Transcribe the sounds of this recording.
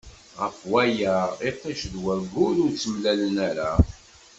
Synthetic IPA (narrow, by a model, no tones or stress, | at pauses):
ʁəfwæjəʁitːɑʃðwæɡʊɾʊɾt͡sːəmlælənæɾa